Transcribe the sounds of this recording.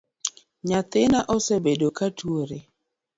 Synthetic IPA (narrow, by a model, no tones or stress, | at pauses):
ɲat̪ɪnaʔɔsebedokatuwoɾe